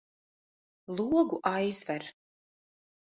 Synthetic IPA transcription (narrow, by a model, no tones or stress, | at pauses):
lˠuɔɡuʔajzvɛɾ